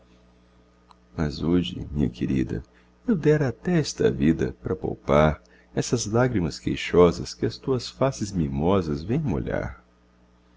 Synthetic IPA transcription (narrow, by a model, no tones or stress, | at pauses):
mɐzud͡ʒɪ̰mĩɲɐ̰kʰeɾid̪ɐ̰ | ewd̪ɛɾɐt̪ɛɛst̪ɐ̰vid̪ɐ̰pɾɐpa̰wpaɾ | ɛsɐzlaɡɾimɐskejʃɔzɐ̰skɪɐst̪uɐsfasɪzmimɔzɐzvẽj̃mo̰ʎa̰ɾ